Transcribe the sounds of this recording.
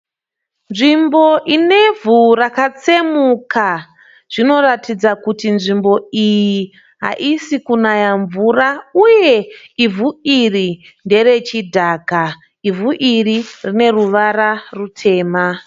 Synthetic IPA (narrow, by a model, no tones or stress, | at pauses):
nʐimbo̞ʔine̞vʱurakat͡se̞muka | ʐ̥ino̞ratid͡zakutinʐimbo̞iji | ɦa̰ʔisikunajaɱvurauje̞ivuiri | nde̞ɾe̞t͡ʃidʱaːka | ivuʔiririne̞ruʋaɾarutʰe̞ːma